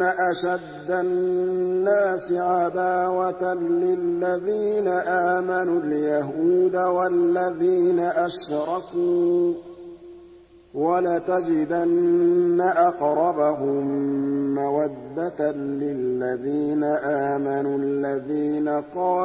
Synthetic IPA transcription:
aʔaʃad̪ːa | nːaːsɪʕad̪aːwat̪alɪlːaðiːnaʔaːmanuljaɦuːd̪awalːaðiːnaʔaʃɾˤɑkuuː | walat̪ad͡ʒɪd̪anːaʔɑqɾˤɑbaɦʊmː | awad̪ːat̪lɪlːaðiːnaʔaːmanuːalːaðiːnaqɑː

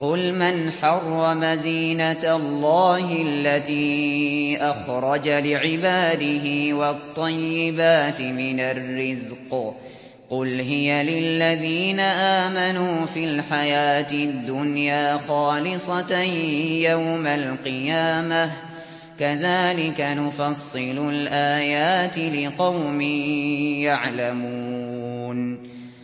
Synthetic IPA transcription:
qʊlmanħɑrˤːɑmaziːnat̪lːɑːhɪalːat̪iː | ʔaxɾˤɑd͡ʒalɪʕɪbaːd̪ɪɦɪwɑt̪ˤːɑjːɪbaːt̪ɪmɪnarːɪzq | qʊlɦɪjalɪlːaðiːnaʔaːmanuːfɪlħajaːt̪ɪd̪ːʊnjaːxɑːlɪsˤɑ | jawmalqɨjaːmah | kaðaːlɪkanʊfɑsˤːɨlʊlʔaːjaːt̪ɪlɪqɑwmɪjaʕlamuːn

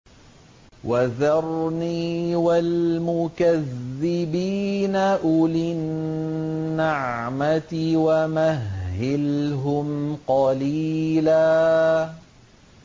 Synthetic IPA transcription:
waðɑɾˤniːwalmʊkaðːɪbiːnaʔʊlɪnː | aʕ | mat̪ɪwamaɦːɪlɦʊmqɑliːlaː

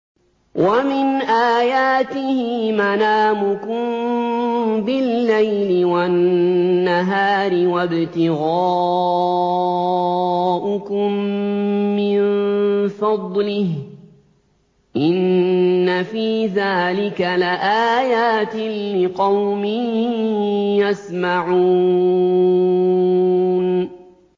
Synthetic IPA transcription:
wʔamɪnʔaːjaːt̪ɪhɪmanaːmʊkʊm | bɪlːajlɪwanːaɦaːɾɪwabɪt̪ɪɣaː | ʔʊkʊmː | ɪnnfɑd̪ˤlɪh | ʔɪnːafiːðaːlɪkalɪʔaːjaːt̪ɪːɪqɑwmɪ | jasmaʕuː | n

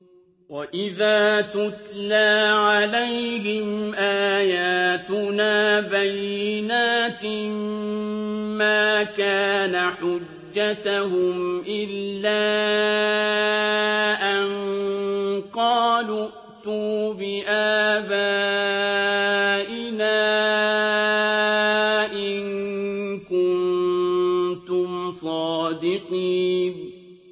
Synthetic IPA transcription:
waʔɪðaːt̪ʊt̪laːʕalajhɪmʔaːjaːt̪ʊnaːbajːɪnaːt̪ɪ | maːkaːnaħʊd͡ʒːat̪aɦʊmʔɪlːaː | ʔan | qɑːlʊʔ | t̪uːbɪʔaːbaː | ʔɪlaː | ʔɪn | kʊn | t̪ʊmsˤɑːd̪ɪqiːn

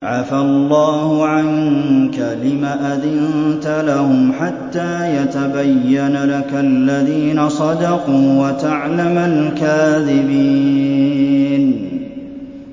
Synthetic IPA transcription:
ʕafalˤːɑːhʊʕaŋkalɪmaːʔaðɪnnt̪alahʊmħat̪ːaːjat̪abajːanalakalːaðiːnasˤɑd̪ɑquːwat̪aʕlamalkaːðɪbiː | n

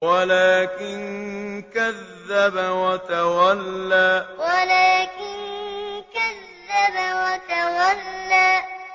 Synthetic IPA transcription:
walaːkɪnkaðːabawat̪awalːaːwalaːkɪnkaðːabawat̪awalːaː

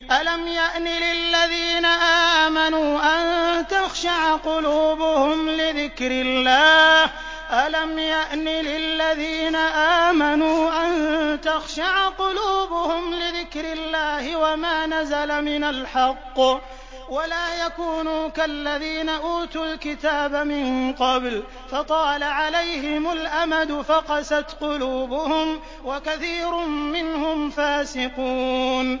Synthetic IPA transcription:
ʔalamjaʔnɪlɪlːaðiːnaʔaːmanuːʔant̪axʃaʕqʊluːbʊhʊmlɪðɪkɾɪlːaːh | ʔalamjaʔnilɪlːaðiːnaʔaːmanuːʔant̪axʃaʕqʊluːbʊhʊmlɪðɪkɾɪlːaːhɪwamaːnazalamɪnalħɑqː | walaːjakuːnuːkalːaðiːnaʔuːt̪uːlkɪt̪aːbamɪnqɑbl | fɑt̪ˤɑːlaʕalajɦɪmʊlʔamad̪ʊfaqɑsat̪qʊluːbʊhʊm | wakaθiːɾʊmːɪnhʊmfaːsɪquːn

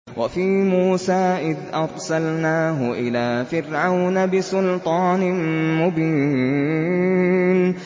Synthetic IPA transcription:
wafiːmuːsaːʔɪd̪ʔɑɾˤsalnaːɦʊʔɪlaːfɪɾʕawnabɪsʊlt̪ˤɑːnɪmʊbiː | n

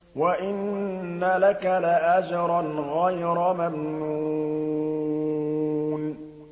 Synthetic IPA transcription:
waʔɪnː | alakalaʔad͡ʒɾˤɑnɣajɾˤmamnnu | n

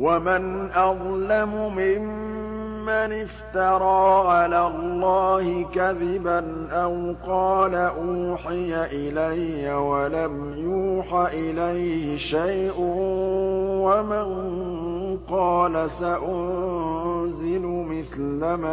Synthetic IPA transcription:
wamɪnʔɑðˤlamʊmɪmː | anɪft̪ɑɾˤɑːʕalaːlˤːɑːhɪkaðɪbanʔawqɑːlaʔuːħɪjaʔɪlajːawalam | juːħaʔɪlajhɪʃajʔʊ | wamɪn | qɑːlasaʔʊn | zɪlʊmɪθlama

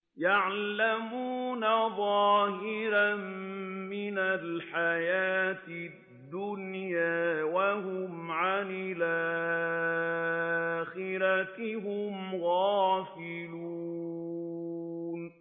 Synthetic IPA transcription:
jaʕlamuːnaðˤɑːhɪɾanmɪnalħajaːt̪ɪ | d̪ːʊnjaːwaɦʊmʕanɪlʔa | xɪɾat̪ɦʊmɣɑːfɪluː | n

